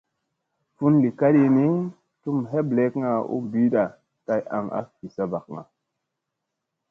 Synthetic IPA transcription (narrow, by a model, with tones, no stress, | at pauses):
fu˦nli˨ka˦ɗi˧ni˦ | tu˦mɦe˦ble˦kŋa˨ṵ˦bi˦ɗa˨ | ka˨jʔa̰˨ŋa̰˦fi˨sa˨ba˨k̚ŋa̰˨